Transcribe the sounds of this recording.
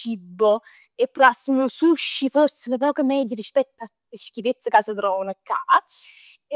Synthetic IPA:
t͡ʃibːo | epːɾasːənusuʃːifosːɪlapɔːkamɛd̪jaɾispɛt̪ːa | eskivet̪sːakaːsad̪ɾɔːnakːaː

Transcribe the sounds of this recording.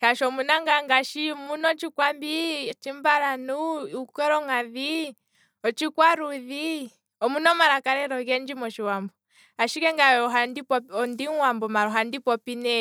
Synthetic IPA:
haʃɔmunaŋɡaŋɡaʃimunɔt͡ʃikwambit͡ʃimbaɾanuukɛɾɔŋaði | ɔt͡ʃikwaɾuði | ɔmunɔmaɾakaɾɛɾɔɣɛnd͡ʒimɔʃiwambɔ | aʃikɛŋɡaɔɦandipɔɔndiŋwambɔmaɾɔɦandipɔpinɛ

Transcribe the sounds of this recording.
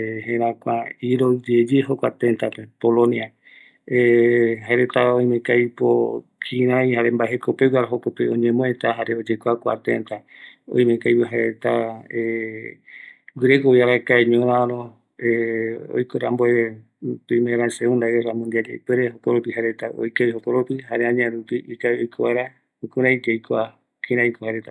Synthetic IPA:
ɦẽɾãkʷaiɾod͡ʒed͡ʒeɦokʷa̰t̪ent̪apepolõnia | eɦaeɾet̪aoj̃mẽkajpokʰĩɾ̃ãjhaɾembaeɦekopewaɾɦokopeõɲẽmõet̪aɦaɾeod͡ʒekʷakʷa̰t̪ḛnt̪aõ̰j̃mẽkajpoɦaeɾḛt̪ae | wiɾekojaɾakaeɲõɾãɾõ | eo̰jkoɾa̰mboe | pimẽɾaseũnd̪aeramũnd̪iad͡ʒejpeɾeɦokoɾopiɦaɾet̪ao̰jkeiɦokoɾopiɦaɾeãɲãɾupiʔikaeojkʰoβaeɾa | ukuɾajd͡ʒejkoa | kʰĩɾãjkohaɾet̪a

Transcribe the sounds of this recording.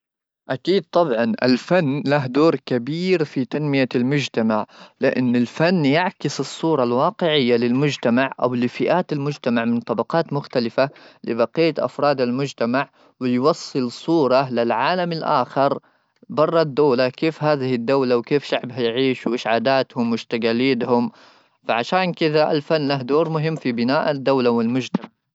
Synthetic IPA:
ʔakiːd̪̚t̪ˤɑbʕɑnʔa̰lfanːlaɦd̪oːɾkabiːɾfit̪anmɪjalmʊd͡ʒt̪amaʕlɪʔɪ̰nːɪlfanːjaʕkɪsɨsˤːuːɾˤɑlwɑːqɪʕɪjːalɪlmʊd͡ʒt̪amaʕʔa̰wlɪfɪʔaːt̪almʊd͡ʒt̪amaʕmɪnt̪ˤɑbɑqɑːt̪mʊxt̪alɪfalɪbɑqijːaʔa̰fɾˤɑːd̪almʊd͡ʒt̪amaʕ | wɪjwɑsˤːɨlsˤuːɾˤɑlɪlʕaːlamalʔaːxɪɾˤ | bɑrˤːɑd̪ːaːlakeːfɦaːðɪhɪd̪ːawlawkeːfʃaʕbɦajʕiːʃwʔɪʃʕaːd̪aːt̪hʊmwɪʃt̪aɡaliːt̪hʊm | faʕaʃaːnkɪðaʔa̰lfanːlaɦd̪oːɾmʊɦɪmːfibɪnaːʔad̪ːawlawɪlmʊd͡ʒt̪amaʕ

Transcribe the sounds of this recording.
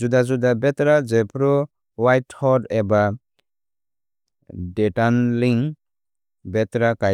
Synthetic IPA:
d͡ʒudazudabɛtɾad͡ʒepʰɾɔ | wajthɔɾeba | detanliŋ | bɛtɾakaj

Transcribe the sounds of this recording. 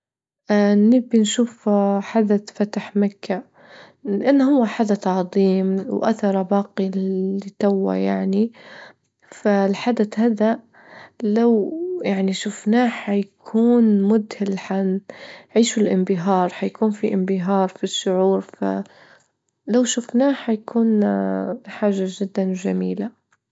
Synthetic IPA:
ʔanɪbɪnʃuːfħad̪aθfat̪aħmakːa | lɪʔanːhʊwːaħad̪aθʕɑðˤiːmwʔa̰θɑɾˤɑbɑːqilɪt̪awːa̰jaʕni | falħad̪aθhaːða | lawjaʕniʃʊfnaːħajakʰuːnmʊd̪hɪlħanʕiːʃulʔɪmbɪɦɑːɾˤħajkuːnfiʔɪmbɪɦɑːɾˤfiʃːʊʕuːɾfa̰ | lawʃʊfnaːħajakʰuːn | ħaːʒad͡ʒɪd̪ːand͡ʒamiːla

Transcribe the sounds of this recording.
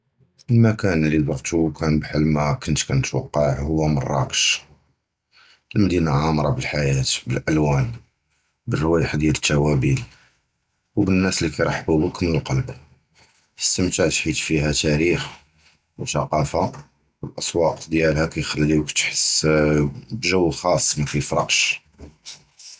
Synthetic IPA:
lmækænəlːib̪ɑɣt̪ukʰænbħəlmækʊnt̪kænt̪wɑ̰qːɑʕʕhʊwːæmə̰rˤːɑ̰kə̥ʃ | əlmd̪inaʕamɾˤɑbəlħajæt̪bəlʔælwæn | bərːwæjəħd̪jælət̪ːæwæbil | wbənːæslikæjɾˤɑħbubəkːmnəlqɑlbu | t̪ə̥st̪əmt̪aʕt̪ħit̪fihæt̪æɾix | wt̪ɑqɑfa | wəlʔɑsˤwɑqd̪jælhækæjxælːiwkt̪ħəs | bʒəwːxɑsˤːməfifɾˤɑqʃ

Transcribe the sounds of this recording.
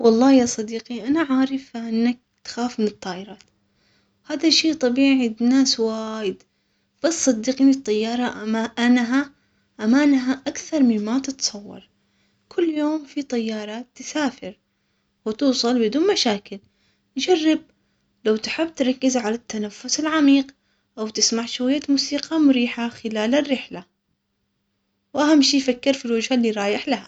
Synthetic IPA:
wɑlˤːɑːjɑːsˤɑd̪iːqiʔanaʕaːɾˤɪfʔɪnːak̚t̪xaːfmɪnɨt̪ˤːɑːʔɪɾˤɑːt̪ | haːðaʃiːt̪ˤɑbiːʕinaːswaːjɪd̪ | bɑsˤːɑd̪ːiːqiːnɪt̪ˤːɑjːɑːɾˤɑʔʔanɦa | ʔamaːnɦaʔakθɑɾˤmɪnmat̪ɪt̪sˤɑwːɑ̰ɾˤ | kʰʊlːjoːmfit̪ˤɑjːɑːɾˤɑt̪ːɪsaːfɪɾ | wɪt̪uːsˤɑlbɪd̪uːnmaʃaːkɪl | d͡ʒarːɪb̚ | lawt̪ħɪbːt̪ɾˤɑkːɪzʕalat̪ːanafːʊsɪlʕamiːq | ʔawt̪ɪsmaʕʃwajːat̪muːsiːqɑmʊɾiːħaxɪlaːlɪrːɪħla | wʔaɦamːʃiːjfakːɪɾfilwad͡ʒhalːiːɾˤɑːjɪħlaha

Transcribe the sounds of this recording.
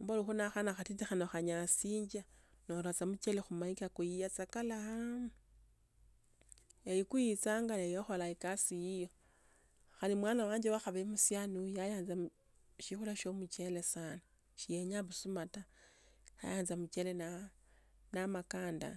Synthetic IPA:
mboluxunaxanaxatitixanoxaɲasiːɲd͡ʒanoɾot͡samut͡ʃelexumaikakujijat͡sakala | ejikujit͡saːŋɡaejoxolaikasijijo | xalimwaːnawaːɲd͡ʒewaxaβeimusjanujajaːnza | ʃixulaʃomut͡ʃe̞lesaːna | ʃijeɲaβusumata | ja̰jaːnzamut͡ʃelena | namakaːnda̰

